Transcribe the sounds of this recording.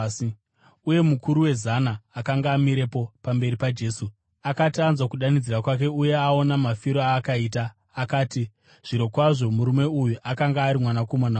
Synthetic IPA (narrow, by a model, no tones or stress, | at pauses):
uje̞mukuɾuwe̞zanaːkaŋɡaːmiɾe̞po̞pambe̞ɾipad͡ʒe̞ːsu | akatianzwakuɗanid͡zirakwak̬e̞uje̞ao̞namafiɾoaːkaiːtaː | kaːti | ʐ̥iɾo̞kwaʐo̞muɾume̞ujuʔakaŋɡaːɾimwanakomana